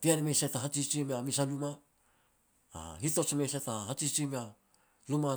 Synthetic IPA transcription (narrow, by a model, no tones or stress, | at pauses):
tianimesataɦat͡ʃit͡ʃimeamisaluma | hito̞t͡ʃmejsataɦat͡ʃit͡ʃimea | luma